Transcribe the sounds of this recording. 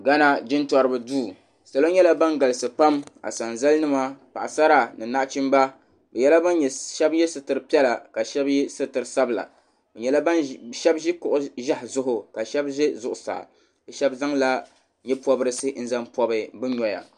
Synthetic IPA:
ɡa˦na˦d͡ʒɪ˦ntɔ˨ɾɨ˨bɨ˨duː˦˨ | sa˨lo˦ɲɛ˦la˦ba˦nɡa˨lɨ˨sɨ˨pa˦ma̰˨sa˨nza˦lnɨ˦ma˦pa̰˨ʔa˨sa˦ɾa˨nɨ˨na˦ʔt͡ʃi˦mba˦ | bɛ˨jɛ˦la˦ba˦nɲɛ˨ʃɛ˦bjɛ˦sɨ˨tɨ˨ɾɨ˨pi˦ɛ˦la˨ka˨ʃɛ˦bjɛ˦sɨ˦tɨ˨ɾɨ˨sa˦bla̰˨ | bɛ˨ɲɛ˦la˦ba˦nʃɛ˦bʒi˦kʊ˨ʔʊ˦ʒa˦hzʊ˦ɦʊ˨ka˨ʃɛ˦bʒɛ˦zʊ˨ʔʊ˨sa̰ː˨ | bɛ˨ʃɛ˦bza˦ŋla˦ | ɲɛ˦pɔ˦bɨ˦ɾɨ˦sɨ˦n̩˦za˦mpɔ˦bɨ˨bɨ˦ɲɔ˨ja̰˨

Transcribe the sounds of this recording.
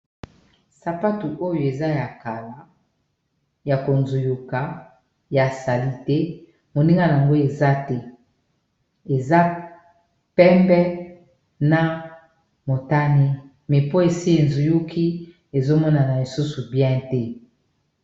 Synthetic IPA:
sa˨pa˦tu˨ʔo˦jo˨e˨za˦ja˨ka˨la˨ | ja˨ko˨nzu˨ju˨ka˨˦ | ja˨sa˨li˦tɛ˦ | mo˨ni˦ŋɡa˦na˨a˨ŋɡo˦e˨za˦tɛ˦ | e˨za˦ | pɛ˦mbɛ˦ | na˨ | mo˨ta˦ne˦ | mɛ˨po˦e˨si˦e˨nzu˨ju˦kʰi˦ | e˨zo˦mɔ˦na˨na˨li˨su˦su˨bjɛ̃˦tɛ˦

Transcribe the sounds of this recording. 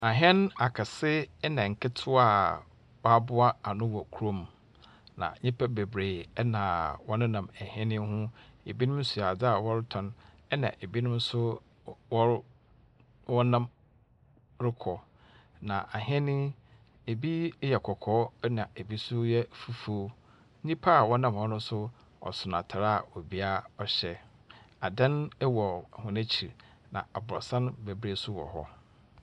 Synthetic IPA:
a˨ɦɛ̃˦n˦a˨kʰa˨sɪ˦nã˨ŋ̩˨kʰɪ˦tʰʊ˦a˨ | ba˦bʊ˦a˦a˨nʊ̃˦wɔ˨kʰu˨ɾõ˦˨m | nã̰˨ɲĩ˦pʰɛ˦be˨bɾe˨ɛ˦nã˨wɔ˦nʊ̃˦nã˨mɛ˨hɛ̃˦nɪ̃˦hʊ̃˦ḛ˨bi˦nʊ̃˦m˦su˨a˨d͡zɪ˦a˨wɔ˦ɾɪ˦tʰɔ̃˨n | ɛ˦nã̰˨ʔe˨bi˦nʊ̃˦m˦sʊ˦ | wɔ˦ | wɔ˦nã˦m | ɾɪ˦kʰɔ˨ | nã˨ʔa˨ɦɛ˦nɪ̃˦ | e˨bi˦jɛ˨kʰɔ˨kʰɔː˦nã˨e˨bi˦sʊ˦jɛ˦fu˦fu˦o˦ | nĩ˦pʰa˦˨wɔ˦nã˦˨mhɔ˦nʊ̃˦sʊ˦ | ɔ̰˨sʊ˨na̰˨tʰa˨ɾa˦˨ɔ˨bi˦a˦ɔ˨ɕɛ˨ | a˨dã˦nɛ˦wɔ˨hʊ̃˨næ̃˦t͡ɕʰi˨ɾ | nã̰˨a˨bʊ˨ɾɔ̰˨sã˦nbæ˨bɾe˦sʊ˦wɔ̰˨hɔ̰˦

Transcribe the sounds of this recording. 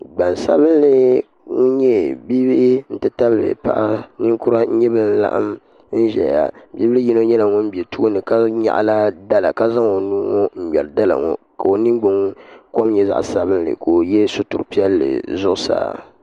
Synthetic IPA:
ɡ͡ba˨n˨sa̰˦βɨ˦n˦lɨ˦ | ŋu˦ɲɛ˦bi˦bɪ˦n̩˦tɨ˨ta˦bɨ˦lɨ̰˨pa̰˦ʔa˦nɨ˦ŋku˦ɾa˦n̩˦ɲɛ˦bɨ˦˨n̩˦la̰˦ʔa̰˦m | n̩˦ʒɛ̰˨lja̰˨bi˦bɨ˦lɨ˦ji˦no˦ɲɛ˦la˨ŋɔ˦m̩˦bi˨ɛ˨tu˦ɡo˦nɨ˨ka˦ɲa̰˨ʔla˦da˦la̰˨ka˦za˦ŋo˨nu˦ŋo˦m̩˨ɡ͡bɛ˨lɨ˨da˦la̰˨ŋɔ̰˨ | ka˨o˨ni˦ŋɡ͡bʊ˨ŋko˦mɲɛ˦za̰˦ʔsa˨bɨ˦nlɨ̰˨ko˨jɛ˦so˦tʊ˨ɾpi˦ɛ˦lːɨ̰˨zʊ˦ʔʊ˦sa̰ː˨

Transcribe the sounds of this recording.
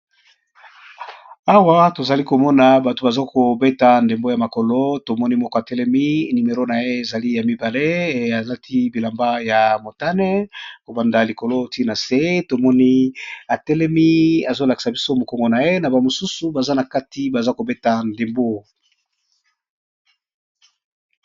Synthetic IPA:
a˦wa˦to˨za˨li˦ko˨mɔ˦na˨ba˨to˨ba˨za˦ko˨be˦ta˨nde˨mbo˦ja˨ma˨ko˨lo˦to˨mɔ˦ni˦mɔ˦ko˨a˨tɛ˦lɛ˦mi˦ni˨me˨ʁo˦na˨je˦e˨za˨li˦ja˨mi˦ba˨le˦˨a˨la˦tʰi˦bi˨la˨mba˦ja˨mo˨ta˦nɛ˦ko˨ba˨nda˨li˨ko˨lo˦ti˦na˨se˦to˨mɔ˦ni˦a˨tɛ˦lɛ˦mi˦a˨zo˦la˨ki̥˨sa˨bi˦so˦mo˨kɔ˨ŋɡo˨na˨je˦na˨ba˨mo˨su˦su˨ba˨za˦na˨ka˦ti˨˦ba˨za˦ko˨be˦ta˨nde˨mbo˦

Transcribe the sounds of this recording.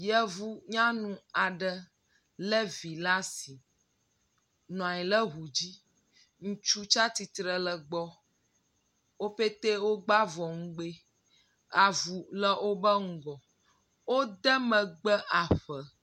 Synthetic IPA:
jɛ˦vu˦ɲã˦nũ˨a˨ɖə˨ | lə˦vi˨la˦si˨ | nɔ̃˨a˨ɲi˨lə˦ɦu˨d͡ʑi˦ | ŋũ˦t͡ʃu˦t͡ʃa˦t̪i˨t̪ɾə˨lə˨ɡ͡bɔ˦ | wo˦ɸe˦t̪e˦wo˦ɡ͡ba˦vɔ˨ŋ̩˦ɡ͡be˦ | a˨vu˨lə˦ʔo˦bə˦ŋ̩˦ɡɔ˨ | wo˦d̪ə˦mə̃˨ɡ͡bə˦ʔa˨ɸə˨

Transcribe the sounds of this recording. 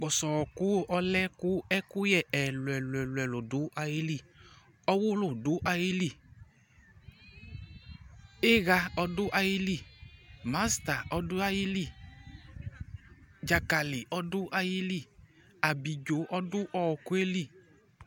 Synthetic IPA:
k͡pɔ˨sɔ˨kʊ˦ɔ˦lɛ˦kʊ˦ɛ˦kʊ˦jɛ˦˨ɛ˨lʊ˨ɛ˨lɛ˨lʊ˨ɛ˨lo˨dʊ˨˦ʔa˧ji˦li˦˨ | ɔ˦wʊ˦lʊ˨dʊ˨˦ʔa˧ji˦li˦˨ | e˦ɣa˧ɔ˧dʊ˦ʔa˧ji˦li˨ma˨˦sta˨ɔ˧dʊ˦a˧ji˦li˦˨ | d͡ʒa˨ka˨li˨ʔɔ˦dʊ˦ʔa˧ji˦li˦˨ | a˨bi˨d͡ʒo˨˦ʔɔ˦dʊ˦ʔɔ˨ku˦e˦li˦˨

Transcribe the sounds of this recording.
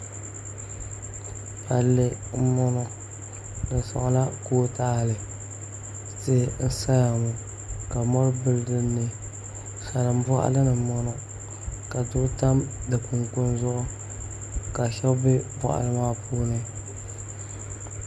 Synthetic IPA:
a˨lɪ˨ | m̩˦mɔ˦nɔ˦ | dɨ˨sɔ̰˨ŋ˨la˦koː˦taː˦˨lɨ˨ | tɪ˦n̩˦sa˦ja˨mʊ˨ | ka˨mɔ˦ɾbɨ˦ldɨ˦nːɨ˨ | sa˨ɾɨ˨m˦bɔ̰˦ʔa̰˦lɨ˦nɨ˨mɔ˦nɔ˦ | ka˨dʊ˦ta˦mdɨ˨ku˨ŋkʊ˦nzʊ˦ʔʊ˦ | ka˨ʃɛ˦bɪ˦bwɔ̰˦ʔa̰˨lɨ˦maː˦puː˦nɨ˦

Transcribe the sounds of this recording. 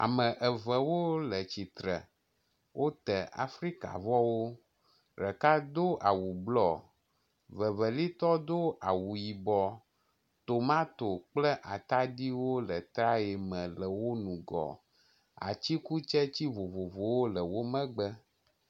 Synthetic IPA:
a̰˨mə̃˨ʔə˨və˨wo˦lə˨t͡ɕi˨t̪ɾə˨ | wʔo˦t̪ə˨a̰˨fɾi˦ka̰˨vɔ˦wo˦ | ɾə˨ka˦d̪o˦ʔa˨wu˨blɔ˦˨ | və˨və˨li˦t̪ɔ˦d̪o˦a˨wu˨ji˨bɔ˨ | t̪o˨mã˦t̪o˨k͡plə˦ʔa˨t̪a˦ɖi˦wo˦lə˨t̪ɾa˦e˨mə̃˨lə˨wo˦nũ˨ɡɔ̰˨ | a̰˨t͡ɕi˦ku˦t͡ʃɛ˦t͡ɕi˦vo˨vo˨vo˨wo˦lə˨wo˦mə̃˦ɡ͡bə˦

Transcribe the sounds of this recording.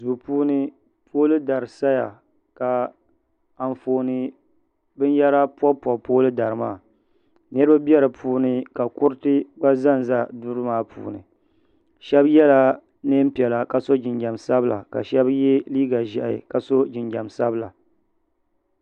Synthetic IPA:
zu˨puː˦nɨ˦ | pʰoː˦lɨ˦da˨ɾɨ˨sa˦ja̰˨ | ka˨ | a˨ɱ˨foː˨nɨ˨ | bɨ˦n˦jɛ˦ɾa˦pɔ˦pwɔ˨poː˦lɨ˦da˨ɾɨ˨ma̰ː˦˨ | nɨ˦ɾɨ˦ba˦bjɛ˦ɾɨ˨pʰuː˦nɨ˦ka˨kʊ˦ɾɨ˦tɨ˦ba˦za˦n˨za˦dʊ˦ɾɨ˦maː˦pʰṵː˨nɨ̰˨ | ʃɛ˦bjɛ˦la˦ | nɨ˦m̩˦pi˨ɛ˨la˨ka˨so˦d͡ʒɪ˨nd͡ʒa˨msa˦bɨ˦la̰˨ka̰˨ʃɛ˦bjɛ˦liː˦ɡa˨ʒɛ˨ʔa˨ɪ̰˨ka˨so˦d͡ʒɪ˨nd͡ʒa˨msa˦bɨ˦la˨

